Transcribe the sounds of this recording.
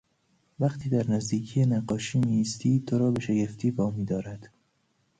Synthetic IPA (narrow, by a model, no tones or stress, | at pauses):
væqt̪ʰiːd̪æɾnæzd̪iːkʰijenæɢɒːʃiːmiːst̪iːt̪ʰoɾɒːbe̞ʃeɡe̞ft̪ʰiːvɒːmiːd̪ɒːɾæd̪̥